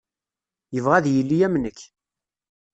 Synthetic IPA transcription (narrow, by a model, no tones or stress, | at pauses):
jəvʁæðjəlːijæmnəkː